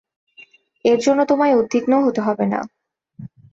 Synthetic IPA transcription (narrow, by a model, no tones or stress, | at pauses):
eɾd͡ʑonːot̪omaeod̪ʱːiknoɦot̪eɦɔbena̰